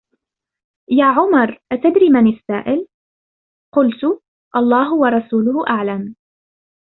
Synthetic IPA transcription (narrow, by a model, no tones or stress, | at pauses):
jaːʕʊmɑɾˤʔat̪ad̪ɾiːmanɪsːa̰ːʔɪl | qʊlt̪ʊ | ʔɑlˤːɑːɦʊwɑɾˤɑsuːlʊhʊʔaʕlam